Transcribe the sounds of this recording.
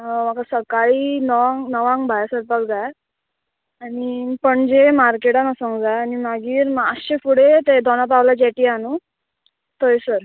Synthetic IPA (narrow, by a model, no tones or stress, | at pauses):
makasəkaɭiːnəʋãŋɡnəʋãŋɡbʱajasəɾpakd͡zaja | aɽipəɳd͡zemaɾkeʈanasəŋɡd͡zaanimaɡiːɾmaəst͡ɕefuɽet̪ed̪ʱɔñap̬aʋlad͡ʑɛʈianu | t̪ojsəɾ